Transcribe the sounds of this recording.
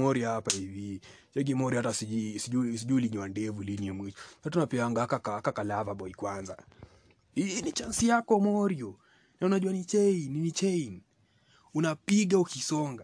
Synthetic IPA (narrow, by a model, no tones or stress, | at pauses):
ɔɾiahapaivit͡ʃɛɡimɔɾjihatasiisiusiʄuːliɲiwandɛvuliniɛmwit͡ʃɔnatunapɛaŋɡaakakaakakalavaɓɔikwanza | init͡ʃansijakɔmɔɾiɔ | naunaʄuwanit͡ʃɛinnit͡ʃɛin | unapiɡaukisɔŋɡa